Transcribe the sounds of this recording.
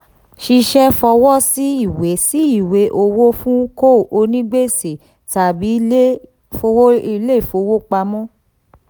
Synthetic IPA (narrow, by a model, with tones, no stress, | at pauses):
ʃi˧ʃɛ˦fɔ˧wɔ˦si˦i˦˨we˨˦si˦i˦˨we˨˦ʔo˧wo˦fũ˦ko˦˨ʔo˧nĩ˦ɡ͡be˦˨se˨ | ta˨bi˨˦le˦ | fo˧wo˦i˧le˦i˦˨fo˧wo˦k͡pa˧mɔ̃˦